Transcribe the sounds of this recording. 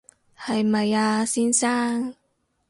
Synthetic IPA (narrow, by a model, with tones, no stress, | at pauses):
hɐ˨jmɐ˨jaː˧siː˥nsaː˥ŋ